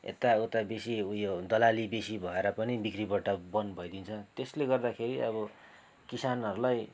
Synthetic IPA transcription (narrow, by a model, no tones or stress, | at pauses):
ḛt̪aot̪abesiujod̪ʌlalibesibʱʌeɾʌpʌnibikribʌʈʌbʌnbʱʌjd̪int͡sʰʌt̪esleɡʌrd̪akʰeɾiʔʌβʌ | kisanɦʌɾulaj